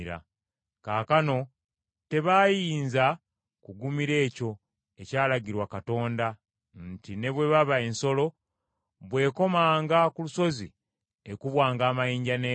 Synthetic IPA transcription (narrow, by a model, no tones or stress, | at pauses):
ɾa̰ | kaːkano̞ | te̞βajiːnza | kuɡumiɾe̞ːco̞ | e̞caːlaɟiɾwakato̞ːnda | ntine̞βwe̞βaβae̞nso̞lo̞ | βwe̞ːko̞maːŋɡakuluso̞zḭ | ekuβwaːŋɡaːmajiːɲɟane